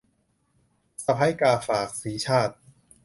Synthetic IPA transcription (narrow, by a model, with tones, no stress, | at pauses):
sa˧pʰa˦˥jkaː˧faː˨˩k̚siː˩˦t͡ɕʰaː˥˩t̪̚